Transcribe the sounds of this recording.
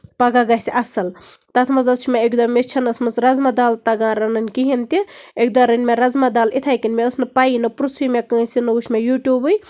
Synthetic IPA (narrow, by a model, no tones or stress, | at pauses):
pɐɡaɡasʲiʔɐsɐlt̪ɐt̪ʰmɐzɐst͡ʃʰimeekd̪ɔmːet͡ʃʰɐnɐsmɐsɾɐzmɐd̪aːlt̪ɐɡãːɾɐnɐnʲkiɦint̪iekd̪ɔɾɨnʲmʲeɾɐzmɐd̪aːlit̪ʰaːjkinmeəsnɨpainɨpɾusʰimʲekə̃ːsinɨuʃmejuːʈjuːbɨj